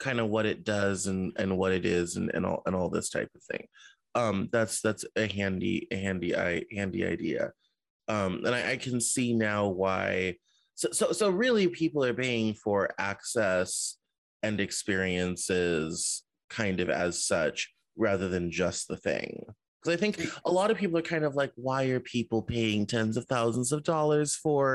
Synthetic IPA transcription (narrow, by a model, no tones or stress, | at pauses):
kʰãɪ̃ndʌwʌɾɨt̚d̥ʌzɨ̃nɨ̰̃nwʌɾɨɾɪzɨ̰̃nɨ̰̃nɔ̰lˠə̃nɔlˠðɪ̰stʰa̰ɪpʌv̥θɪ̰̃ŋ | ʌ̃mðætsðætsɨɦæ̃ndḭɨɦæ̃ndiʔa̰ɪhæ̃ndḭa̰ɪdḭɨ̰ | ʌ̃mə̰̃naɪʔaɪkʰɨ̃nsinaʊwaɪ | soʊsoʊsoʊɹɪlˠipʰipl̩ˠə˞peɪɪ̃ŋfə˞æksɛs | ɨ̃nɨkspɪɹiɨ̃nsɪz̥ | kʰãɪ̃ndʌvɨ̰z̥sʌt͡ʃ | ɹæðə˞ðɨ̃nd͡ʒʌst̪̚ðəθɪ̰̃ŋ | kʰʌzaɪθɪ̃ŋkʔəlɔɾʌv̥pʰipl̩ˠə˞kʰãɪ̃ndʌvlaɪk̚waɪə˞pʰipl̩ˠpʰeɪɪ̃ŋtʰɛ̃nzʌv̥θaʊzn̩zʌvdɔlˠə˞z̥fə˞